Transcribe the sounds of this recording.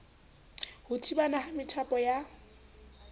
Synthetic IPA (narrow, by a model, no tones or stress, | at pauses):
hʊtʰʼibanahamɪtʰapʼɔja